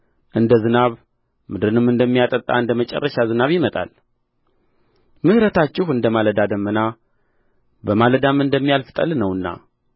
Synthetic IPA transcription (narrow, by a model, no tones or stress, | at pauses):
ʔɨnd̪əzɨnaβ | mɨd̪ɾɨnɨmɨnd̪əmːijat̪ʼət̪ʼːa̰ɨnd̪əmət͡ʃʼɛ̰rːəʃazɨnaβjɪmət̪ʼa̰l | mɨhɾət̪ʰat͡ʃːɪhɨnd̪əmaləd̪ad̪əmːəna | bəmaləd̪amːɨnd̪əmːijalfɨ̥t̪ʼə̰lnəwɨnːa̰